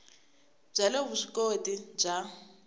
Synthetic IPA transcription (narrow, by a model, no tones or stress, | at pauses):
b͡ʐaleβuʂi̥kʼoetʼib͡ʐa